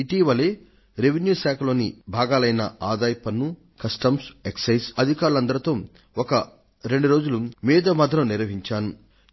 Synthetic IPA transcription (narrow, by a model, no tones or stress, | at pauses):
iʈiːʋɐle̞ː | ɾe̞ʋenjuːʃaːkʰɐlo̞ːnibʱaːɡaːlɐjnɐaːd̪aːjpɐnːu | kɐsʈɐmseksɐjsɐd̪ʱikaːɾulɐnd̪ɐɾɐt̪o̞ː | okɐ | ɾe̞ɳɖuɾo̞ːd͡ʒulumiːd̪ɐmɐd̪ʱɾɐmniɾʋɐɦiɲt͡ʃaːnu